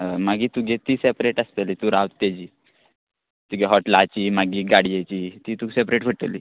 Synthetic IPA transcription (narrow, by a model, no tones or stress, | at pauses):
əmaɡiːt̪uɡet̪iːsepɾeʈəst̪elit̪uɾaʋt̪t̪ːed͡ʑiː | t̪uɡeɦɔʈlat͡ɕiːmaɡiːɡaɽijet͡ɕiːt̪iːt̪uːsepɾeʈfəʈːə̰lḭː